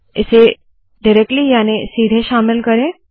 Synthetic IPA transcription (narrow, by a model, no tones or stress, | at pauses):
ɪse | ɖɪɾɛk̚ʈlijaːnesiːd̪ʱeʃaːmɪlkɐɾẽ